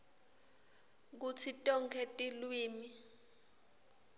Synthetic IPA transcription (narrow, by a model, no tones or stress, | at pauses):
k̬ut͡sʰitʼɔŋkʰɛtʼilwiːmi